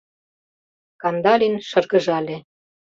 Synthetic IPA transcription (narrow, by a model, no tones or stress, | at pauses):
kɑnd̪ɑlʲinʃɤ̆rɣɤ̆ʒɑlʲĕ